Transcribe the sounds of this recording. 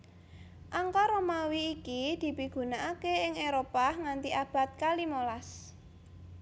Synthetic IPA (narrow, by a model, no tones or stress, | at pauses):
ʔaŋkɔɾomawiːkid̪̥i̤piɡ̥ṳnaʔakeɪŋeɾopahŋant̪iab̥a̤t̪̚kalimolas